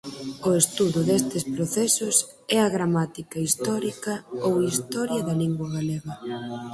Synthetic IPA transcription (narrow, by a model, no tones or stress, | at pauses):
ʊest̪uðʊðest̪ɪspɾoθɛsʊs | ɛɐɣɾamat̪ikɐist̪ɔɾikɐowist̪ɔɾjɐðɐliŋɡwɐɣaleɣɐ